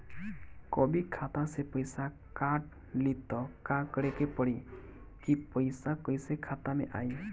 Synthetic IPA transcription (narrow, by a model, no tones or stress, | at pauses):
kɔbikʰat̪asepɔjsa | kaʈ̚ | lit̪ɔkakɔɾekepɔɽi | kipɔjsakɔjsekʰat̪amḛʔa̰j